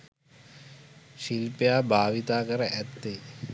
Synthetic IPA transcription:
ʃilpjaːbʱaːʋit̪aːkɐɾɐʔɛt̪ːe

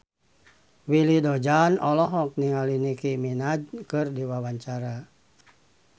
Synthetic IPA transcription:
wilidɔd͡ʒanɔlɔɦɔk̚niŋalinikiminad͡ʒkɨrdiwawaɲt͡ʃaɾa

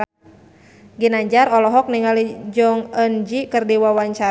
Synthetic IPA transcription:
ɡinaɲd͡ʒarɔlɔɦɔk̚niŋalid͡ʒɔŋənd͡ʒikɨrdiwawaɲt͡ʃaɾ

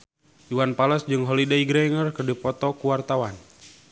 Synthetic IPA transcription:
juwanpalɔsd͡ʒɨŋɦɔlidaiɡɾɛŋərkɨrdipɔt̪ɔkuwart̪awan

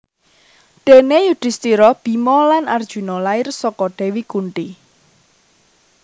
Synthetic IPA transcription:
ɖ̪̥enejud̥ɪ̤st̪iɾɔb̥i̤mɔlanard̥ʒ̥ṳnɔlaɪrsɔkɔɖ̥e̤wikuɳʈi

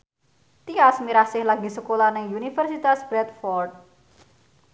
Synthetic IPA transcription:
t̪iasmiɾasɪhlaɡi̤səkolanɪŋunifərsit̪asb̥ɾɛt̪̚fɔrd̪̚

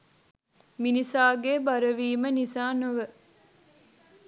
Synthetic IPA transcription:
minisaːɡeːbɐɾɐʋiːmənisaːnoʋə

